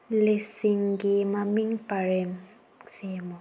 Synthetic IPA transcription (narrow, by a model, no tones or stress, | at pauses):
lesiŋkimamiŋpaɹem | semo